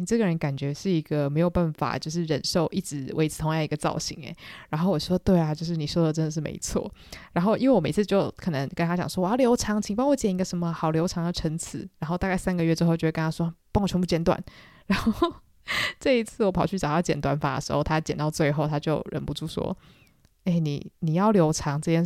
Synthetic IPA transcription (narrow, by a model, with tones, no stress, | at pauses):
ni˨˩ʈ͡ʂɤ˥˩ɡə˩ɻə˧˦nka˨˩nt͡ɕɥɛ˧˥ʂɻ̩˥˩i˧˥ɡə˧me˧˥ɪjo˨˩pa˥˩nfa̰˨˩t͡ɕjo˥˧ʊʂ̬ɻ̩˥˩ɻə˨˩nʂo˥˧ʊʔi˥˩ʈ͡ʂɻ̩˧˥we˧˥ɪt͡s̩ʰ˨˩t̪ʰo˧˥ŋjɑ˥˩ŋ˩i˧˦ɡə˧t͡sɑ̰˥˩ʊɕḭ˧˥ŋḛ˩˦ɻa˧˥nxo˥˩ʊwɔ˨˩˥wt̪we˥˩ɪa˩t͡ɕjo˥˧ʊʂ̬ɻ̩˥˩ni˨˩ʂwɔ˥ʊd̪ə˨˩ʈ͡ʂə˥nd̪ə˨˩ʂɻ̩˥˩mḛ˧˥ɪt͡sʰwɔ̰˥˩ɻa˧˥nxo˥˧ʊi˥nwe˥˩wɔ˨˩e˨˩ɪt͡sʰɹ̩˥˧t͡ɕjo˥˩ʊkʰə˨˩nə˧˦ŋkə˥ntʰa˥t͡ɕjɑ̰˨˩ŋʂwɔ˥wɔ˧˩a˥˩ljo˧˥ʊʈ͡ʂʰɑ˧˥ŋt͡ɕʰi˨˩ŋpɑ˥ŋwɔ˧˦t͡ɕjɛ˨˩ni˧ɡə˨˧ʂə˧˥nmə˧xɑ˨˩ʊljo˧˥ʊʈ͡ʂʰɑ˧˥ŋd̪ə˨ʈ͡ʂʰə˧˥ŋt͡sʰɹ̩˨˩˦ɻa˧˥nxo˥˧t̪a˥˧ka˥˩ɪsa˥nɡə˨ɥɛ˥˩ʈ͡ʂɻ̩˥xo˥˩t͡ɕo˥˧˩kə˧nʰa˥wɔ˥˩pŋwt͡ɕʰɥɛ˧˥pu˥˩t͡ɕjɛ˥˧nt̪wa̰˥˩nɻa˧˥nxo˥˧˩ | ʈ͡ʂɤ˥˧i˧˥t͡sʰɹ̩˥˩wɔ˧˥pʰɑ˨˩ʊt͡ɕʰy˥˩ʈ͡ʂɑ˨˩ʊt̪t͡ɕjɛ̰˨nt̪wa˥nfa˥d̪ə̰˨˩ʂɻ̩˧˥xo˥˩ʊt̪ʰa˥t͡ɕjɛ˨nt̪ɑ˥˧ʊt͡swe˥˧ɪxo˥˧ʊt̪ʰa˥t͡ɕjo˥˧ʊɻə̰˨˩npu˧˦ʈ͡ʂu˥˩ʂwɔ̰˥ | e˥˩ɪnḭ˨˩ni˨˩jɑ˥˩ʊljo˧˥ʊʈ͡ʂʰɑ˧˥ŋʈ͡ʂɤ˥˧t͡ɕʰjɛ˥